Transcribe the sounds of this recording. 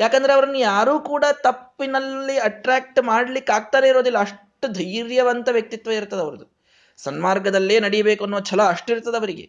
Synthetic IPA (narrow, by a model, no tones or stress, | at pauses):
jaːkɐnd̪ɐɾeɐʋɐɾɐnːujaːɾuːkuːɽat̪ɐpːinɐlːiɐʈɾaːk̚ʈmaːɽlikːaːɡ̚t̪aːɾeiɾo̞ːd̪ilːɐɐʂʈud̪ʱɐjɾjɐʋɐnt̪ɐʋjɐk̚t̪it̪ʋɐiɾt̪ːɐd̪ɐʋɐɾɐd̪u | sɐnmaːɾɡɐd̪ɐlːe̞ːnɐɽijɐbeːkuɐnːuʋɐt͡ʃʰɐlɐɐʂʈiɾt̪ːɐd̪ɐʋɐɾiɡe̞̰